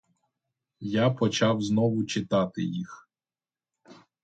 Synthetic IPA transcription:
japɔt͡ʃɑwznɔʋʊt͡ʃɪt̪ɑt̪ɪ̰jix

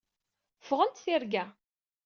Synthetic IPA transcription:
fəʁənt̪θiɾɡæ

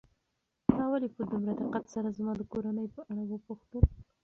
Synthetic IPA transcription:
kɑwalipəd̪umɾad̪ɪqat̪saɾazmɑd̪əkoɾanəjpəʔaɽawəpuxt̪əl

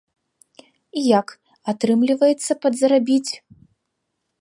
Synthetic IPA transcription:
ijak | at̪ɾɨmlʲivɐjɛt̪sːɐpɐd̪zɾabʲit͡sʲ

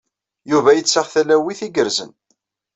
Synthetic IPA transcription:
juvæjət͡sːəʁθælæwiθiɡəɾzə̰n

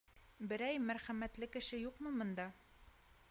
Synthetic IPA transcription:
bɘ̆ɾæjmæɾχæmæt̪lɘkɘ̆ʃɘjuqmɤmɤ̆nd̪ɑ

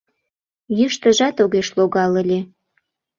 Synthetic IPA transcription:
jyʃt̪əʒɑt̪oɣeʃloɣɑləlʲe

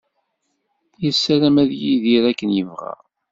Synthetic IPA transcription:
jəsːæɾæmæðjiðiɾækːənjəvʁæ̰

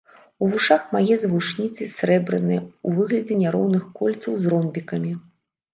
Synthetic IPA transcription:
uvuʂaxmajɛzɐvuʂnʲit̪sɨsɾɛbɾɨ̰nɨjɛuvɨɣlʲɐd͡zʲɛnʲaɾɔwnɨxkɔlʲt̪sɐwzrɔmbʲikɐmʲi

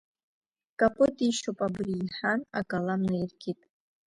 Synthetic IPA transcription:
kʼapʼɨtʼiʃopʼabriːħanakʼalamnairɡʰʲitʼ

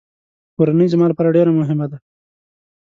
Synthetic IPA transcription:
koɾanəjzmɑlopaɾaɖeɾamʊɦɪmad̪a

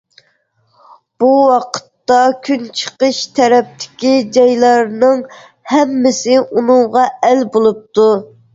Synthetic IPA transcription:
b̥uwɑqʰə̥t̪ːɑkʲʰynt͡ʃʰə̥qəʃt̪ʰɛɾɛp̚t̪ʰɪ̥kʲid͡ʒɑjlˠɑɾnɨŋ | hɛmːɪsɪʔunɨŋʁɑælbolˠup̚t̪ʰu

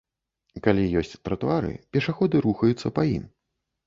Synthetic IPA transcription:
kalʲijɔsʲt͡sʲt̪ɾɐt̪uaɾɨ̰pʲɛʂaxɔd̪ɨɾuxɐjut̪sːɐpajḭm

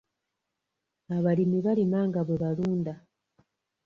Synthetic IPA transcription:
aβalimiβalimaːŋɡaβoβaluːnda

